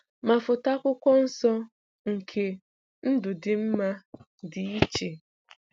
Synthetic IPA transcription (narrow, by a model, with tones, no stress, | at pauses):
ma˨fʊ˨ta˦kʷʊ˦kʷɔ˦n̩˦sɔ˦ | ŋ̩˨kʰe˨ | n̩˦dʊ˨dɪ˨m̩˦ma˦ | di˨i˦t͡ʃe˨